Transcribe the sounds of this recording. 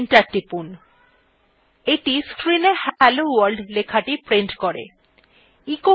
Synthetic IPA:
nʈaʈːipun | eʈiskɾinehɛlowaɾɖlekʰaʈipɾiɳʈkoɾḛ | iko

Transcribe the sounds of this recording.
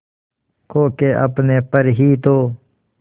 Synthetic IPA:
kʰoːkeʔɐ̰pnepəɾɦiːt̪oː

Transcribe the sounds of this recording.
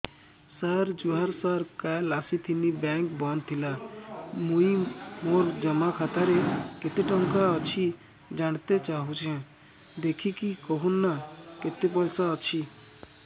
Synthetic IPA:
saɾd͡ʒuɦaɾsaɾkalasit̪ʰinibɛ̃ŋkbɔnt̪ʰilamũimoɾd͡ʒəmakʰat̪aɾeket̪eʈɔ̃ŋkaɔt͡ʃʰi | d͡ʒaɽ̃t̪et͡ʃaɦut͡ʃʰɛ̃ | d̪ekʰikikɔɦunːaket̪epɔjsaɔt͡ʃʰi

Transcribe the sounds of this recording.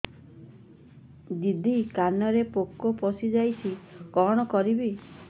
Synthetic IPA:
d̪id̪ʱikanɔɾepokːɔpɔsid͡ʒajsʰikɔɽ̃ɔkɔɾibi

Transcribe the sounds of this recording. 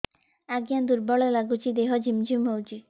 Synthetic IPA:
aɡijand̪uɾbɔɭelaɡut͡ɕid̪eɦɔd͡ʑimd͡ʑumowd͡ʑi

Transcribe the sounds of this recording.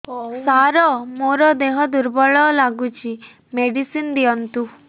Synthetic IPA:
saɾɔmoɾɔd̪eɦɔd̪uɾbɔɭɔlaɡut͡ʃʰi | meɽisind̪iɔnt̪u

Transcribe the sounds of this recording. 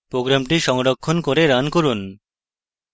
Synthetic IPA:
pɾoɡɾamʈiʃɔŋɽokʰːonkoɾeɾankoɾun

